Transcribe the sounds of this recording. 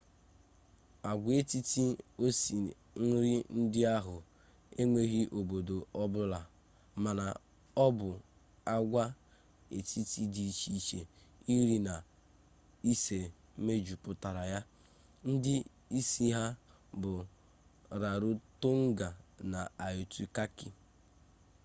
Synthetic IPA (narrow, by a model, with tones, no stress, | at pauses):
a˨ɡʷe˦ti˦ti˦o˦si˨ | n̩˦ɾɪ˦n̩˦dɪ˦a˦ɦʊ˨ | e˦ŋe˦ɣi˦ʔo˨bo˨do˨ɔ˦bʊ˦la˨ | ma˨na˨ | ɔ˦bʊ˨ | a˦ɡʷa˦ | e˨ti˦ti˦di˨i˨t͡ʃi˦t͡ʃe˨ | i˦ɾi˦na˨ | i˦se˨˦ | me˦d͡ʒu˨pʊ˨ta˨ɾa˨ja˦ | n̩˦dɪ˦ | i˦si˦ɦa˦ | bʊ˨ | ɾa˨ɾu˦to˦ŋ̩˦ɡa˨na˨a˨jʊ˨tu˦ka˦ki˦